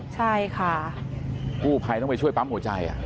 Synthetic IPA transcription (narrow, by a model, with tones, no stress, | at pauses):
t͡ɕʰa˥˩jkʰa˥˩ | kuː˥˩pʰa˧jt̪ɔ˥˩pa˧jt͡ɕʰu˥˩əjpa˦˥mhu˩˦t͡ɕa˧jʔa̰˨˩ʔ